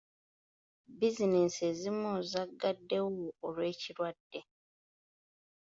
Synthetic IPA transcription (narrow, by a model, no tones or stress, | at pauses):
bizinesezimuːzaɡːadːe̞woːlwe̞ːciɾwadːe̞